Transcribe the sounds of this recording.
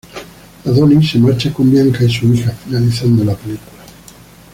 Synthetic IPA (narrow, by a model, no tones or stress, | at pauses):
laðonisemaɾt͡ʃakombjaŋkaisuixafinaliθand̪olapelikula